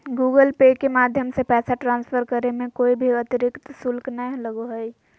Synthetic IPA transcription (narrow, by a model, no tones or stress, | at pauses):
ɡuɡəlpekemaːd̪ʱjəmsepɛːsaʈɾãːnspʰəɾkəɾemẽkoːibʱiət̪iɾɪkt̪sʊlknələɡoɦəj